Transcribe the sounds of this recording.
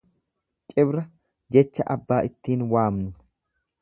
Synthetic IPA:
t͡ʃʼɪbɾɐ | d͡ʒɛt͡ʃːɐʔɐbːaːʔɪt̪ːiːnwaːmnʊ

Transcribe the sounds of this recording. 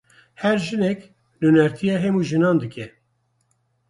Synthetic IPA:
hɛɾʒɨnɛk | lunɛɾt̪ʰijɑːɦɛmuːʒɨnɑːnd̪ɨkɛ

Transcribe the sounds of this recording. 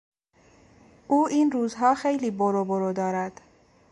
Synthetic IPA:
ʔuːʔiːnɾuːzɦɒːxejliːboɾoboɾod̪ɒːɾæd̪̥

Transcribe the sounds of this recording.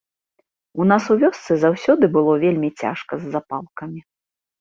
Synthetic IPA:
unasuvʲɔst̪sɨzawsʲɔd̪ɨbɨlˠɔvʲelʲmʲit͡sʲa̰ʂkɐzːapalˠkɐmʲi

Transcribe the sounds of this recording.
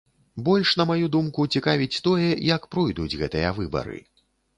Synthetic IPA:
bɔlʲʂnɐmajud̪umkut͡sʲikavʲit͡sʲt̪ɔjɐjɐkpɾɔjd̪ud͡zʲɣɛt̪ɨjɐvɨbɐ̰ɾɨ̰

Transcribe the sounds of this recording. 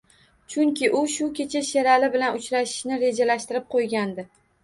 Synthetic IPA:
t͡ʃʰʊŋkʲɪʔʊʃʊkʲe̞t͡ʃʰaʃeɾalɪbɪlanʊt͡ʃɾaʃɪ̥ʃnɪɾe̞d͡ʒalaʃt̪ɪɾɪp̚qʰojɡʲand̪ɪ

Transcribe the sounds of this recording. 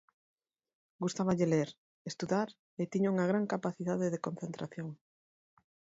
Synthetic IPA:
ɡust̪aβaʎeleɾ | est̪uðaɾ | et̪iɲuŋɐɣ̞ɾaŋkapaθiðaðeðekõnθent̪ɾaθjoŋ

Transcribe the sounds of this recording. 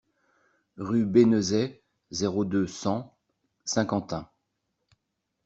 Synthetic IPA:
ʁybenəzɛ | zeʁod̪øsɑ̃ | sɛ̃kɑ̃t̪ɛ̃

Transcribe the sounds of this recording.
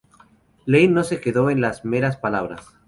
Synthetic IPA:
lejno̞se̞ke̞ðo̞e̞nlazme̞ɾaspalaβɾa̰s

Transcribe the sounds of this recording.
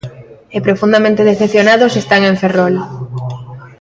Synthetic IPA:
epɾofund̪amẽnt̪eðeθepθjonaðosest̪aŋẽɱferol

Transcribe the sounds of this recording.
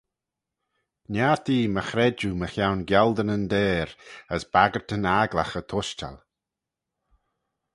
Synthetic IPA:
njaːɹt̪ʰiːməxɾɛd͡ʒuməxjawnɡjald̪ənənd̪ɛːɾəsb̥aɡəɹt̪ənaɡla̰xət̪ʰʊʃta̰l

